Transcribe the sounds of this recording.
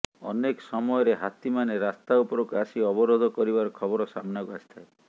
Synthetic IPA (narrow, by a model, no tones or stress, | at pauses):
ɔ̰nekɔsɔmɔjɔɾeɦat̪imaneɾast̪aupɔɾokasiɔbɔɾod̪ʱɔkɔɾibaɾɔkʰɔbɔɾɔsamnakuasi̥t̪ʰae